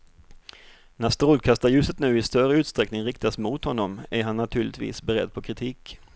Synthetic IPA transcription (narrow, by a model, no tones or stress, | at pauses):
næst̪ɾoːlkʰast̪ajʉ̟ːsət̪nʉ̟ːɪst̪œɾəʉt̪st̪ɾɛknɪŋɾɪk̚t̪asmʊt̪hɔnːɔmæɾɦanːat̪ʰʉːɭɪt̪vḭːsbɛɾɛ̰d̪ːpʰɔkʰɾɪt̪ʰiːk